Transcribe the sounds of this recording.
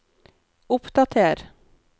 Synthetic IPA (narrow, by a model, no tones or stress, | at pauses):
ʊpd̪ɑt̪ʰeːɾ